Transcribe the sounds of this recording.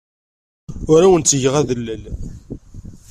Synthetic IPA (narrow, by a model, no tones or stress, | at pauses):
ʊɾawənt͡sːəʝəʁæðəlːəl